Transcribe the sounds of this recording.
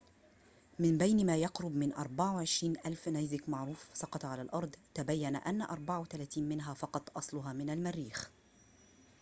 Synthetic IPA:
mɪmbajnmaːjɑqɾʊbmɪnʔɑɾˤbaʕawʕɪʃɾiːnʔalfnajzɪkmaʕɾuːfsɑqɑt̪ʕalaːlʔɑɾˤd̪ˤt̪abajːanaʔanːaʔɑɾˤbaʕawt̪alaːt̪iːnmɪnɦaːfɑqɑt̪ˤʔɑsˤlʊɦaːmɪnalmarːiːx

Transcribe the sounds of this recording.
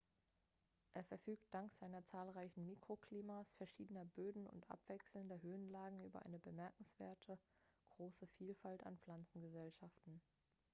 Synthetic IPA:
ʔeːɐfɛɐfyːk̚t̚d̥aŋkz̥aɪnɐt͡saːlʁaɪçn̩miːkʁ̥okl̥iːmasfɛɐʃiːdənɐbøːdn̩ʊ̰ntʔa̰pv̥ɛksl̩ndɐɦøːnlaːɡŋ̩ʔyːbɐ̰ʔa̰ɪnəbəmɛɐkŋ̩sv̥ḛːɐtʰəɡ̥ʁoːsəfiːlfalta̰npfl̥ant͡sn̩ɡəzɛlʃaftn̩

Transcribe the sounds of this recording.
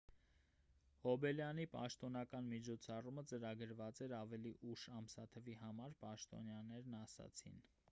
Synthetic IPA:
ɔbɛljɑnipɑ̰ʃt̪ɔnɑkɑnmit͡ʃʰɔt͡sʰɑrumət͡səɾɑɡəɾvɑt͡sɛɾɑvɛliʔuʃɑmsɑt̪ʰəvihɑmɑɾpɑʃt̪ɔ̰njɑnɛɾnɑsɑ̰t͡sʰḭn

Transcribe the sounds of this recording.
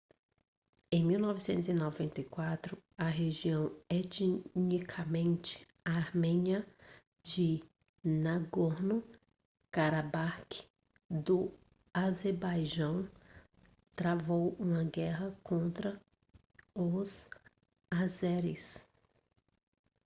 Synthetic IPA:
ẽj̃miwnɔvɪsẽnt̪ʊzinovẽnt̪ejkwat̪ɾʊɐɦeʒiɐ̃w̃et͡ʃnikʰɐmẽnt͡ʃɪ̥ | aɾmẽɲiɐ | d͡ʒɪ | naɡoɾnʊ | kaɾabaɾkɪ̥ | d̪ʊ | azeɾbajʒɐ̃w̃ | t̪ɾavowũmɐɡɛɦɐkʰõnt̪ɾɐ | ʊz | azɛɾɪs

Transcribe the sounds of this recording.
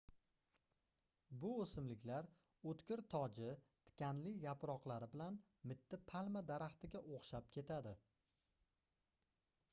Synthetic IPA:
bʊosɪmlɪkʲlaɾ | ɵt̪kʲɪɾt̪ʰɒd͡ʒɪt̪ʰɪ̥kʲanlɪjapɾɒqlˠaɾɪbɪlan | mɪt̪ʰːɪpʰalˠmad̪aɾaχt̪ʰɪɡʲaʔoχʃap̚kʲʰe̞t̪ʰad̪ɪ

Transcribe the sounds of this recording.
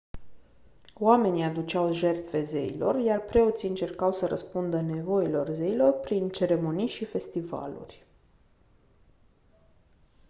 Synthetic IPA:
wame̞niad̪ut͡ʃawʒe̞rt̪fe̞ze̞ḭlo̞̰rjarpɾe̞o̞t̪siɨnt͡ʃe̞rkawsəɾəspund̪əne̞vo̞ilo̞rze̞ilo̞rpɾint͡ʃe̞ɾe̞mo̞nijʃife̞st̪iva̰lṵrʲ

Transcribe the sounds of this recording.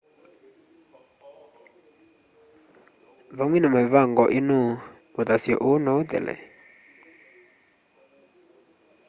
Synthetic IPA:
vaŋwinamavaŋɡɔʔinuː | d̪asiɔ̰ʔunɔd̪ɛ̰lɛ̰

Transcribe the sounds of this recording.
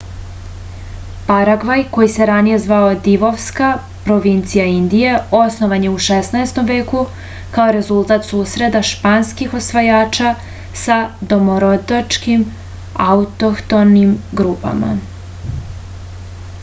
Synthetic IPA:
paɾaɡʋajko̞jise̞ɾanije̞zʋao̞d̪iʋo̞ʋska | pɾo̞ʋint̪sijaind̪ije̞o̞snoʋaɲe̞uʃesnaest̪o̞mʋe̞ːku | kaoɾe̞zulˠt̪aːt̪suːsɾe̞d̪aʃpanskixo̞sʋajaːt͡ʃa | sad̪o̞moɾo̞d̪at͡ʃkim | aut̪okt̪o̞nimɡɾuːpa̰ma̰

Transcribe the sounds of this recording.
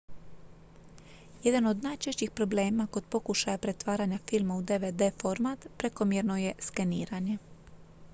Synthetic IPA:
je̞d̪ano̞d̪najt͡ʃe̞ʃt͡ɕixpɾo̞ble̞ːmako̞d̪po̞kuʃajapɾe̞t̪ʋaːɾaɲafilˠmaud̪e̞ʋed̪e̞fo̞ɾmat̪pɾe̞ko̞mjeɾno̞je̞skeniːɾaɲe̞

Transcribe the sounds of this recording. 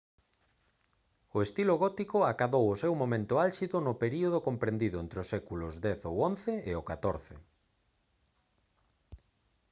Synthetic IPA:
ʊest̪iloɣɔt̪ikʊakaðowʊsewmomẽnt̪ʊalʃiðʊnʊpeɾioð̞okompɾẽnd̪iðʊent̪ɾeosːɛkulʊzd̪ɛθowonθeɪokat̪oɾθḛ

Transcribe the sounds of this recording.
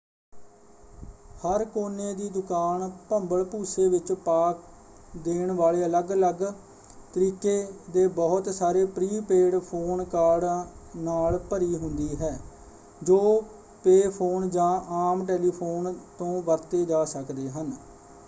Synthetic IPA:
həɾkoːnẽːd̪iːd̪ʊkaːnpəmbəɭpuːseːʋɪt͡ʃpaːk̚ | d̪eːɳʋaːleːələɡələɡ | t̪əɾiːkeːd̪eːbɔːʊt̪saːɾeːpɾiːpeːɖpʰoːnkaːɾɖnaːlpəɾiːɦʊnd̪iːɦɛː | d͡ʒoː | peːpʰoːnd͡ʒãːʔaːmʈɛːliːpʰoːnt̪õːʋəɾt̪eːd͡ʒaːsəkd̪eːɦən

